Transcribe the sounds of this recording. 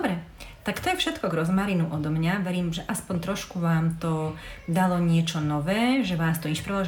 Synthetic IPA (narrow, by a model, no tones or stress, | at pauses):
ɔbɾɛ | t̪akt̪ɔjɛfʃɛt̪kɔɡɾɔzmaɾinuʔɔd̪ɔmɲaʋɛɾiːmʒɛʔaspɔɲt̪ɾɔʃkuʋaːmt̪ɔd̪alɔɲɪɛt͡ʃɔnɔʋɛːʒɛʋaːst̪ɔiʃpɾɛɔ